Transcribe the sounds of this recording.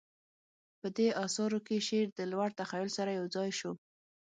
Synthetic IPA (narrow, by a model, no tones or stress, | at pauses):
pəd̪eɑsɑɾokeʃeɾd̪əlwaɽt̪axajʊlsaɾajawd͡zɑjʃo